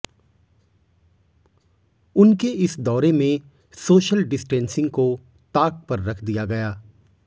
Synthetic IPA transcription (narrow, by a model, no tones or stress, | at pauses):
ʊnkeɪsd̪ɔːɾemẽ | soːʃəlɖɪsʈɛ̃ːnsɪ̃ŋɡko | t̪aːk̚pɐɾːɐkʰd̪ijaɡɐjaː